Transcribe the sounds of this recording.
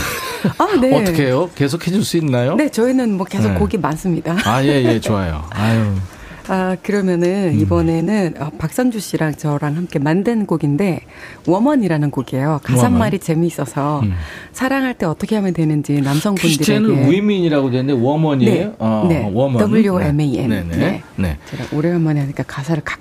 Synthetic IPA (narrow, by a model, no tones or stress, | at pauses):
ane̞tʰʌkʰejoke̞s̬ʰokʰe̞d͡ʑuɭs͈uinːajone̞t͡ɕʌinɯnmwʌke̞sʰokk͈ːoɡimans͈ɯmɲidaaje̞je̞t͡ɕoajo̰ajo | akɯɾʌmjʌnɯnibʌne̞nɯnʌpak̚s͈ʌŋd͡ʑuɕ͈iɾaŋt͡ɕʌɾaŋhamk͈e̞mandɯnɡoɡinde̞ | wʌmʌɲiɾanɯnɡoɡie̞jokasʰamːaɾit͡ɕe̞miːs͈ʌsʰʌsʰaɾaŋɦaɭt͈eʌt͈ʌkʰe̞ɦamjedwe̞nɯnd͡ʑinamsʰʌŋbundiɾeneimiɲiɾaɡodwenɯnde̞wʌmʌɲinene̞wʌmʌʌbuʎjoemeiḛnnn̰nḛt͡ɕeɾa̰ʔoɾeɦʌmʌneɦaɲik͈akasʰaɾɯɭkḁ